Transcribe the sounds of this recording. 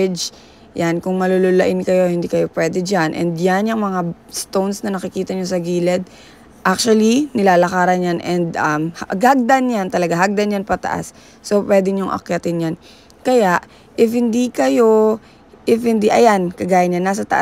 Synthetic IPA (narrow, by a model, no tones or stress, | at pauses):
d͡ʒ | jankʊŋmɐlololɐʔɪnkɐjo̞hɪnd̪ikɐjo̞pwɛːd̪ɛd͡ʒanʔɛ̰nd̪janjɐŋmɐŋa | st̪ownsnɐnɐkɪkiːt̪ɐɲosɐɡiːlɛd̪̚ | ʔak̚t͡ʃuwɐlinɪlaːlɐkaːɾɐnjanʔɛnd̪ʔɐmhɡaɡ̚d̪anjant̪ɐlɐɡaɦaɡ̚d̪ɐnjanpɐt̪ɐ̰ʔa̰sː | opwɛːd̪ɛɲʊŋʔɐ̰kɐt̪ɪnjan | kɐjaʔ | ʔɪfhɪnd̪ikɐjo̞ | ʔɪfhɪnd̪iʔɐjankɐɡaːjɐnɲanːaːs̬ɐt̪ɐ̰ʔ